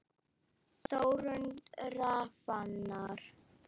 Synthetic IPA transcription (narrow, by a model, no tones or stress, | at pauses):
sowɾənɾafanːaɾ